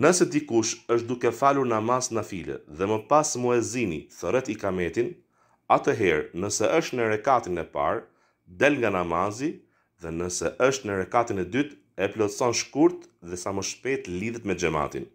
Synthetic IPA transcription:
nəsɛd̪ikuʃəʃt̪̚d̪ukɛfaluɾnamasnafilɛ̰ðɛməpasmɔɛzinḭθəɾɛt̪ikamɛt̪in | at̪əɦɛɾnəsɛʔəʃt̪nəɾɛkat̪inɛpa̰ɾ | d̪ɛlŋɡanamazi | ðɛnəsɛʔəʃt̪nəɾɛkat̪inɛd̪yt̪ | ɛplɔsɔnʃkuɾt̪ðɛsaməʃpɛt̪liðɛt̪mɛd͡ʒɛma̰t̪ḭn

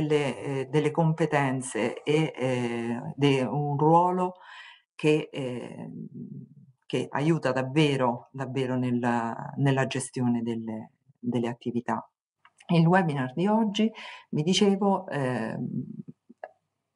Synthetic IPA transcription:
lːed̪elːekompet̪ɛnt̪sḛː | d̪eunrwɔːlo | ke | keʔa̰juːt̪ad̪avːeːɾod̪avːeːɾonelanelːad͡ʒest̪joːned̪ele | d̪elːeat̪ːivit̪a̰ | ilwɛbinard̪iɔd͡ʒːivid̪it͡ʃeːvoɛ

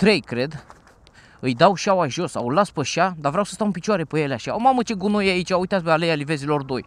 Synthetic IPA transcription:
t̪ɾe̞jkɾe̞d̪ | ɨjd̪awʃawaʒo̞sa̰wlaspəʃad̪avɾʲeawsə̥st̪awɨnpit͡ʃuaɾe̞pəjeleaʃaomamət͡ʃeɡunojeait͡ʃʲaujt̪asbealejalivezilo̞rd̪o̞j

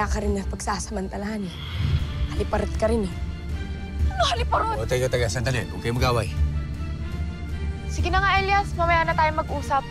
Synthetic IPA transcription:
akɐɾɪnːɐpɐɡsaːsɐmɐnt̪ɐlahɐnɛ | hɐlɪpɐɾɪt̪̚kɐɾɪnɛ | ɐnohɐlɪpɐɾoot̪ɐɡat̪ɐɡasɐnt̪ɐnɛʔoːkɛjmɐɡaːwaj | sɪɡɪnaŋaʔɛljɐsmɐmɐjaːnɐt̪aːjomɐɡ̚ʔuːsɐp̚

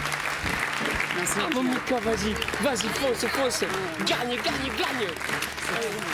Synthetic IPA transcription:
saməmĩkwavazivazikɔ̃səkɔ̃sə | ɡaɲəɡaɲəɡaɲə

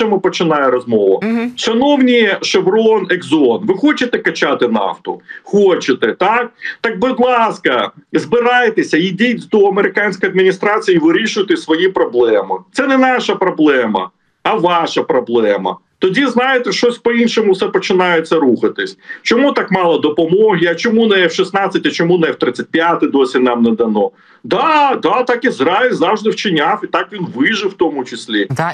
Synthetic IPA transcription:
ɛmɪpɔt͡ʃɪnɑjɪɾɔzmɔʋʊ̰ʃɐnɔwnʲiʃɐbɾɔneɡzɔnʋɪxɔt͡ʃɪt̪ɛkɐt͡ʃat̪ɪnɑ̰ft̪ʊxot͡ʃɪt̪ɛt̪ɑk̚t̪ɑk̚bɪd̪lˠɑskɐzbɪɾɑjt̪esʲɐidʲit͡sʲd̪ɔɐmeɾɪkɑnʲsʲkɔjɐd̪mʲinʲist̪ɾɑt͡sʲijiʋɪɾʲiʃʊjɪt̪ɪsʋɔjipɾɔblˠɛmɪt̪sɛnɛnɑʃɐpɾɔblˠɛmɐ̰ː | ʋɑʃɐpɾɔblˠɛmɐ̰ | t̪ɔdʲiznɑjet̪ɛʃɔsʲpɔinʃɔmʊwsɛpɔt͡ʃɪnɑjet͡sʲːɐɾuxɐt̪ɪsʲt͡ʃɔmut̪ɑkmɑlˠɐd̪ɔpɔmɔɦʲiɐt͡ʃɔmunɛwʃisnɑt͡sʲːɐtʲɐt͡ʃɔmunɛwt̪ɾɪt͡sʲːɐt̚ʲpʲjat̪ɪd̪ɔsʲinɑmnɛd̪ɐnɔ | d̪ɑd̪ɑt̪ɑkizɾɑɪlʲzɑwʒd̪ɪwt͡ʃɪnʲafit̪ɑkʋʲinʋɪʒɪwt̪ɔmʊt͡ʃɪsʲlʲi

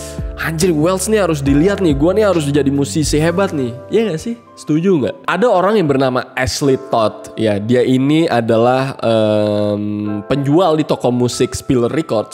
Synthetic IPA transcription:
haɲd͡ʒɾiwɛlsniɦaɾʊs̬diliat̪̚nɪɡuaniɦaɾʊs̬d͡ʒadimusɪsiɦebat̪̚nɪhijaŋɡaʔsɪh | sə̥t̪ud͡ʒuŋɡa̰adaoɾaŋjaŋbərnamaʔɛslit̪ɔt̪̚jadiaʔiniadalahəmpəɲd͡ʒualdit̪ɔkɔmusɪkspilrikɔrds

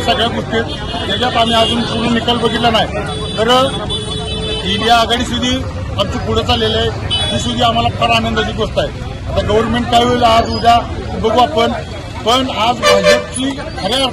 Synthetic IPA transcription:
səɡɭjaɡuʈet̪ | med͡ʑjat̪am̤iːad͡zunpuɽ̃ũnikalbəɡʱit̪lanaɦi | t̪əɾ | iɽijaːɡaɽiːs̬ud̪ʱiː | amt͡ɕipʰuɽ̤ət͡salelajɦ̪iːsud̪ʱiːam̤alapaɾanənd̪ad͡ʑiːɡost̪ae | at̪aɡəʋəɾmeɳʈ̚kajɦojləad͡zud͡zabəɡʋapəɳ | pəɳad͡zʋad͡ʑeʈ̚t͡ɕiː | səɡɭ

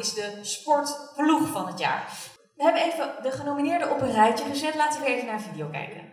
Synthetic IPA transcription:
ɪzdəspɔɹtpluχfɑnətja̰ːɹ | ʋəɦɛbənejvədəχənowminɪːɹdəʔɔpənrɛjtəχəzɛtlaːtəʋəəejvənaːəvidiowkɛ̰jkə̰n

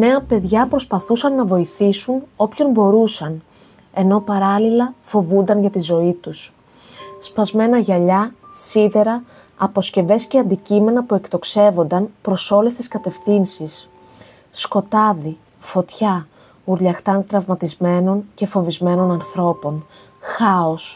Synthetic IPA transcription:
ne̞ɐpe̞ðʝɐpɾo̞spɐθusɐnːɐvo̞iθisuno̞pço̞nbo̞ɾusɐn | e̞no̞pɐɾɐlilɐfo̞vund̪ɐnʝɐt̪izo̞it̪us | spɐzme̞nɐʝɐʎɐsiðe̞ɾɐː | po̞sce̞ve̞sce̞ɐnd̪icime̞nɐpue̞kt̪o̞kse̞vo̞nd̪ɐnpɾo̞so̞le̞st̪iskɐt̪e̞fθinsisː | ko̞t̪ɐði | fo̞t̪çɐ | uɾʎɐxt̪ɐnt̪ɾɐvmɐt̪izme̞no̞nce̞fo̞vizme̞no̞nɐnθɾo̞po̞n | xɐo̞s

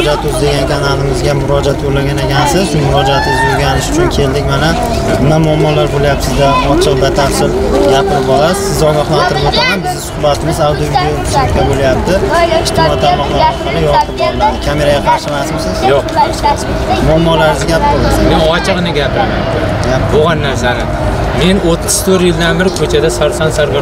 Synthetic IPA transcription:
d͡ʒat̪ʰɵzd̪eɡʲankʲʰanalɪmɪzɡʲamʊɾɒd͡ʒat̪ʰjolaɡʲanaɡʲansɪzʃʊmʊɾɒd͡ʒaat̪ʰʊzdʲoɾɡʲanɪʃʊ̥t͡ʃʰʊnkʲʰe̞ld̪ɪkʲmana | ɪnamʊamːɒlaɾbolajapsɪzd̪aɒt͡ʃʰɨʁb̪at̪ʰansɪl | ɡʲapʰɪɾɪpɒlˠasɪ̥sɪzɒɡɒhlˠant̪ʰɪɾɪpot̪ʰamanbɪzd̪ɪsʊhbat̪ʰɪmɪzawd̪ijovd̪iot̪ʰɪʃɪɾkʰʲabolajap̚t̪ʰɪɪʃt̪ɪɪmɒit̪ʰaɾmɒχlˠaɾɾɒqɨlˠɪjɒt̪ʰɨp̚bɒlˠlanɪkʲʰame̞ɾaɡʲaqʰɑɾʃɪmasmɪsɪzjjoqʃasm | mʊamːɒlaɾɪzɪɡʲap̚bɒlˠasɪmenɒt͡ʃʰɪʁnɪɡʲapʰɪɾama̰nkʰ | jʲaboʁanːaɾsanɪm | me̞not̪ʰːɪ̥z̥t̪ʰɵɾjɪld̪anbɪɾkʰɵt͡ʃʰad̪asaɾsansaɾɡɪ

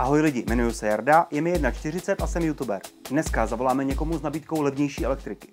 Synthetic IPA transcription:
ʔaɦo̞jlɪɟɪmɛnujusɛjaɾdajɛmɪjɛdnat͡ʃt̪ɪr̝ɪt͡sɛt̪ʔasɛmjut̪ubɛ̰ɾdnɛskazavo̞laːmɛɲɛko̞muznabiːt̪̚ko̞wlɛvɲɛjʃiːʔɛ̰lɛk̚t̪ɾɪkɪ̥

